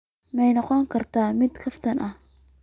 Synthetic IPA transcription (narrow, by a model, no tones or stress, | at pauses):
mɛjnɐqɔŋkʰɐrt̪aːmɪd̪kʰɐft̪ʰɐnʔɐh